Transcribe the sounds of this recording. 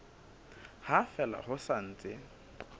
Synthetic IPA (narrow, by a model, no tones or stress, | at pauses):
hafɛla̰hʊsan̩ːt͡sʼɪ